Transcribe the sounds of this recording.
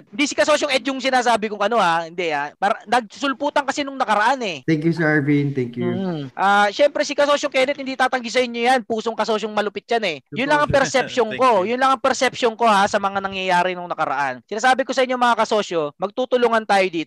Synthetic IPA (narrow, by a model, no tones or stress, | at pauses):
ɪnd̪isɪkɐsos̬joŋʔɛd̪̚jʊŋsɪnaːsaːbɪkʊŋʔɐno̞hahɪnd̪ɛapɐɾanɐɡ̚sʊlpuːt̪ɐŋkɐsinʊŋnɐkɐɾɐʔanɛt̪ɛŋkjusɛvint̪ɛŋkjuʔaːʃɛmpɾɛsɪkɐsoːsokɛːnɛt̪̚hɪnd̪iːt̪aːt̪ɐŋɡisɐʔɪɲːojanpuːsoŋkɐso̞ːʃoŋmɐlʊpɪt̪̚janɛjʊnlɐŋɐŋpɛɾsɛp̚ʃoŋko̞jʊnlɐŋɐŋpɛɾsɛpʃoŋko̞hasɐmɐŋanɐŋjɐjaːɾɪnʊŋnɐkɐɾɐ̰ʔansɪnaːs̬aːbɪko̞sɐʔɪɲːoŋmɐŋakɐso̞ːʃo̞mɐɡ̚t̪uːt̪ʊluŋɐnt̪aːjod̪iːt̪o